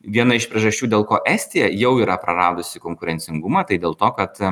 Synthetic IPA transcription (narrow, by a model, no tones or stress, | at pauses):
ʋʲiɛnɐɪʃpʲɾʲiɛʒɐsʲt͡ʃʲuːd̪ʲeːlˠkoːʔɛːsʲt̪ʲɪjɛjɛʊiːɾɐpɾɐɾɑːd̪ʊsʲɪkoːŋkʊɾʲɛnʲt͡s̪ʲɪŋɡʊmɐːt̪ɐɪd̪ʲeːlˠt̪oːkɐt̪